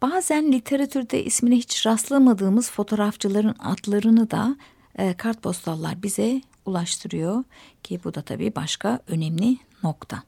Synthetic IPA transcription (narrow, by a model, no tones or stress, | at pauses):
b̥aːzænlʲit̪ʰe̞ɾat̪ʰyɾd̪ɛ̰ʔḭsminɛɦit͡ʃɾaslˠamad̪ɯːmɯz̥fo̞t̪ʰo̞ɾaft͡ʃʰɯlˠaɾɯna̰t̪lˠaɾɯnɯd̪a̰ | kʰaɾt̪̚bʰo̞st̪ʰalˠːa̰ɾbizɛ | ulˠaʃt̪ʰɯɾɯjo̞cʰibud̪at̪ʰa̰bḭːbaʃkʰaø̞nɛmlʲino̞kt̪ʰa